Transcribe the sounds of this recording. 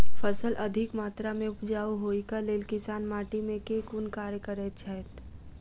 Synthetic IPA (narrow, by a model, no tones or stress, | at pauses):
fəsəlʔɐd̪ʱɪkmaːt̪ɾamẽʊpd͡ʒaːuɦoːikaleːlkɪsaːnmaːʈimẽkekunkaːɾjəkəɾet͡ʃʰɛt̪